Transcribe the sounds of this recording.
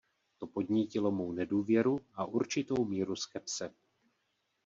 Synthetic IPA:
t̪o̞po̞d̪ɲicɪlo̞mo̞wnɛduːvjɛɾuʔaʔuɾt͡ʃɪt̪o̞wmiːɾuskɛpsɛ

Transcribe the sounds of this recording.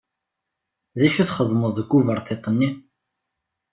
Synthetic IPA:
ðæʃuθχəðˤməðˤðəɡuvəɾˤt̪ˤːeqːənːi

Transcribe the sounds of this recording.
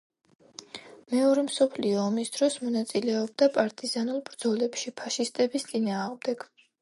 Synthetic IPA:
mɛɔɾɛmsɔpʰliɔːmisd̪̥ɾɔsmɔnat̪sʼilɛɔb̚d̪apʼaɾt̪ʼizanulˠbɾd̪zɔlɛpʃipʰaʃist̪ʼɛbist̪sʼinaːʁmd̪ɛɡ̥

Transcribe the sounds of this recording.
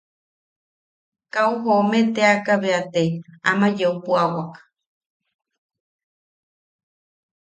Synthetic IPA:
kauɦomet̪eakaβeat̪eamãd͡ʒeupuawakḁ

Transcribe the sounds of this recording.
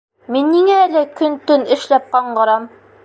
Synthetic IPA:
minːiŋæːlɘkɵnt̪ɵnɘ̆ʃlæp̚qɑɴɢɤ̆ɾɑm

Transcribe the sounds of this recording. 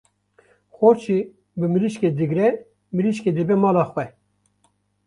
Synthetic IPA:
xoɾt͡ʃʰi | bɨmiliʃked̪ɨɡɾɛ | miliʃked̪ɨbɛmɑːlɑːxwɛ

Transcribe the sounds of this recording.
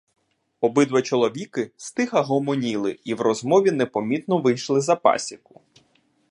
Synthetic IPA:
ɔbɪd̪ʋɐt͡ʃɔlˠɔʋʲikɪst̪ɪxɐɦɔmɔnʲilˠɪiwrɔzmɔʋʲinepɔmʲit̪nɔʋɪjʃlˠɪzɐpɑ̰sʲikʊ̥

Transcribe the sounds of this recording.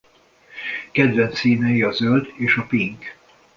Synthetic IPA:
kɛd̪vɛnt̪siːnɛjiɒzøld̪eːʃɒpiŋk

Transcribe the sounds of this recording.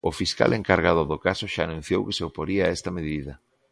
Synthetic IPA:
ofiska̰lʔeŋkaɾɣ̞að̞ʊðokasoʃaːnũn̟θjowke̥seopoɾiaɛst̪ɐmeðiðɐ

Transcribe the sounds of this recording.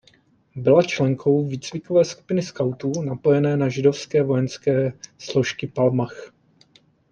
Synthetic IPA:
bɪlat͡ʃlɛŋkʰo̞wviːt͡svɪkovɛːsku̥pɪnɪskawt̪unapo̞jɛnɛːnaʒɪdo̞fskɛːvo̞jɛnskɛːslo̞ʃkɪpalmax

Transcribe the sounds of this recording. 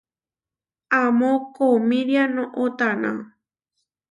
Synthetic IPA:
amõkomĩɾjanõʔot̪anã̰

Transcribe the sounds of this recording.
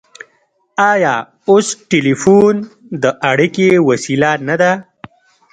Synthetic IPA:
aja | osʈelifund̪əʔaɽikewasilanad̪a

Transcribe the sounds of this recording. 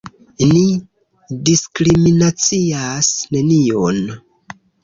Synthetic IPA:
ni | diskɾiminat͡siasne̞nion

